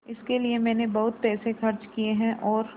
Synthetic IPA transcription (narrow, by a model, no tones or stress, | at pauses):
ɪskeliemɛ̃ːnebɐɦʊt̪pɛːsexɐɾt͡ʃkieɦɛ̃ʔɔːɾ